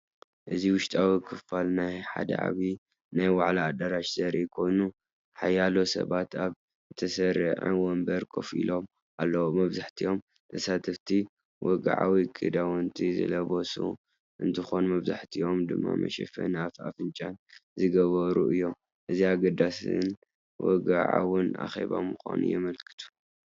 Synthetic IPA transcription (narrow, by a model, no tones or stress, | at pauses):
ʔɨziwʊʃt̪ʼawikʰɨffalnajħa̰d̪ɐ̰ʕa̰βi | najwaʕlaːd̪ɐɾaʃz̥ɐɾikʰo̞jnu | ħajːalo̞sɐ̰βat̪aβ | ɨt̪ʰɐsɐɾɨ̰ʕɨ̰wɔmbɐɾkʰo̰fḭlo̞m | ʔalːɐwomɐβzaħt̪ʰiʔo̞m | t̪ʰɐsat̪ʰɐft̪ʰi | wʔɔɡaʕawikʰʼɨd̪awɔnt̪ʰizɨ̰lɐβosṵ | ʔɨnt̪ʰɨxonumɐβza̰ħt̪ʰio̞md̪ɨmːamɐ̰ʃɛfɐ̰nafa̰fɨnt͡ʃʼanzɨɡɐβɐɾuʔɨjːo̞m | ʔɨziaɡɐd̪asɨn | wɔ̰ɡaʕa̰wɨna̰xḛβa̰mɨxa̰nṵjɛmɐlkʰɨ̥t̪ʰu̥